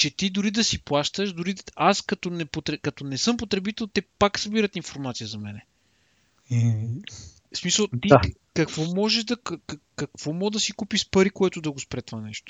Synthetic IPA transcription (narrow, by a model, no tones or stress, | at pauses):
t͡ʃɛt̪id̪ʊɾid̪ɐsiplˠaʃt̪əʃd̪ʊɾiaskɐt̪ɔnɛpot̪ɾɛkɐt̪ɔnɛsɤmpot̪ɾɛbit̪ɛlˠt̪ɛpaksɐbiɾət̪infoɾmat̪sijəzɐmɛnɛ | smisəlˠt̪ia | kɐkvɔmɔʒɛʒd̪ɐkkkɐkv̥ɔmɔd̪ɐsikupiʃpɐɾikoɛt̪ʊd̪ɐɡospɾɛt̪ovanɛʃt̪o̥